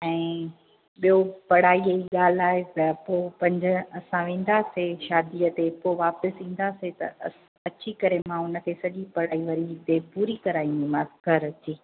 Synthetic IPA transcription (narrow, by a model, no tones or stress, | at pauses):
ɛ̃ː | ɓijopɐɽaːieiɠaːl̤aːɦet̪ɐpoːpɐ̃ɲd͡ʑʊ̆ɐsãʋẽːn̆d̪aːseʃaːd̪iət̪epoːʋaːpəsĩːn̆d̪aːset̪ɐ | ɐt͡ɕikɐɾemãʊnə̆kʰesɐʄipɐɽ̤aːiʋɐɾit̪epuːɾikɐɾaːĩnd̪ĩmãskɐɾɐt͡ɕiː